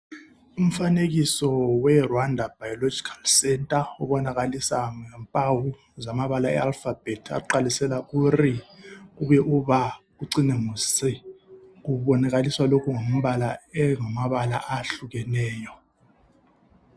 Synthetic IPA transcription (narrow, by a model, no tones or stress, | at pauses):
um̩faneɣisɔwɛrwandʱab̥ajɔlod͡ʒʱikʰḁlsɛntʼaɔβɔnaɣalisaŋɛmpʼawu | zamaβalaɛ̰alfab̥ɛtʰa̰ǃalisɛlaʔurikuβɛʔuβak̬uǀinɛmusik̬uβɔnaɣ̬aliswalokʰuŋom̩βalaɛŋamaβala̰ʔaɬuɣɛnɛːjɔ